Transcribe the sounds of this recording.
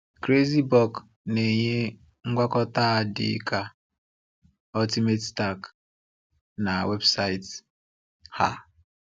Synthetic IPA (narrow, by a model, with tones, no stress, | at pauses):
kɾe˦zi˦bɔ˦˨k | ne˨ɲe˦ | ŋ̩˦ɡʷa˦kɔ˦ta˦a˨dɪ̰˦ka˦ | ɔ˦ti˦me˦tsta˦k | na˨we˦bsa˦i˦t | ha̰˦